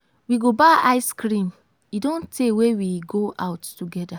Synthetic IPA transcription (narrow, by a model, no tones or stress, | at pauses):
wiɡobaʔaɪskɾĩm | idõntʰewewiɡoʔaʊtːuɡɛda